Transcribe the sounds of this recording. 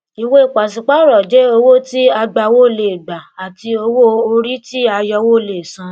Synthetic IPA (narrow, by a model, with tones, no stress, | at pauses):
i˨we˦˨k͡pa˨s̬i˧k͡pa˦ɾɔ˨d͡ʒe˨˦o˧wo˦ti˦a˧ɡ͡ba˧wo˦˨le˨ɡ͡ba˨a˨ti˧o˧wo˦o˧ɾi˦ti˦a˧jɔ˧wo˦˨le˨sã˧˦